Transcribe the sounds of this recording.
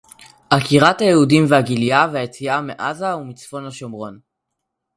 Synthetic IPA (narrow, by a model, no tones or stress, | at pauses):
ʔakiʁathajeudimveaɡilijaveajet͡siameʔazaumit͡sfo̞nhaʃomʁo̞n